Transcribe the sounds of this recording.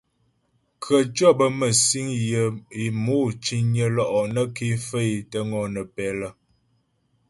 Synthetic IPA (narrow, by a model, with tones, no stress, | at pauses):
kʰə˨t͡ʃɔ˦˨bə˦mə˨si˦ŋjə˨i˨mo˦˨t͡ʃi˦ɲə˨lɔ˦˨ʔɔ˨nə˦ke˦fə˦˨i˨tə˦ŋɔ˨nə˨pɛ˨lə˨